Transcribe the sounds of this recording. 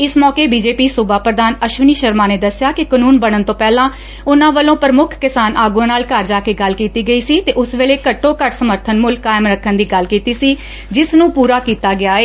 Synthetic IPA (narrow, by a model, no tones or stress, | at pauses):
ɪsmɔːkeːbiːd͡ʒeːpiːsʊbaːpɾəd̪aːnəʃʋəniːʃəɾmaːneːd̪əsjaːkɪkənuːnbəɽ̃ənt̪õːpɛːlãː | ʊnãːʋəlõːpəɾəmʊkʰkɪsaːnaːɡõːnaːlkaːɾd͡ʒaːkeːɡəlkiːt̪iːɡəiːsiːt̪eːʔʊsʋeːɭeːkəʈːõːkəʈʰsəməɾt̪ʰənmʊlkːaːɪmɾəkʰːənd̪iːɡəlkiːt̪iːsiː | d͡ʒɪsnũːpuːɾaːkiːt̪aːɡɪaːeː